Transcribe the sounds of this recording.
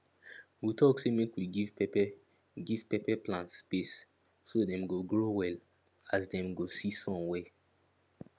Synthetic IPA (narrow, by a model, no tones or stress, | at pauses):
witʰɔksemekwiɡivp | ɡiv̥pepɛplãntspes | sodɛ̃mɡoɡɹowɛl | asdɛ̃mɡosisɔ̃mwɛ